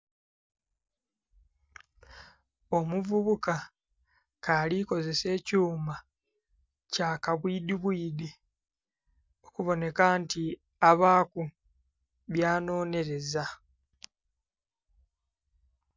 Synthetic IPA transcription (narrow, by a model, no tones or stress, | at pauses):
o̞muvuβuka | kaliko̞ze̞se̞ːcuːma | caːkaβwiːdiβwiːdi | okuβo̞ne̞kanti | aβaːku | βjaːno̞ːne̞ɾe̞za